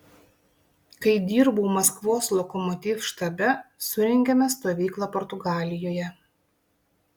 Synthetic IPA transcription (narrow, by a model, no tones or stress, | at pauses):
kɐɪd̪ʲiːɾbuːmɐskʋoːslˠokɔmɔt̪ʲiːfʃt̪ɐbʲɛsʊɾʲɛŋʲɡʲɛmʲɛst̪oːʋʲiːklˠɐpɔɾt̪ʊɡɑːlʲɪjoːjɛ